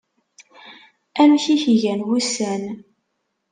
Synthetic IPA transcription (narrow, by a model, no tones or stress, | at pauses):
æmçiçʝænwusæn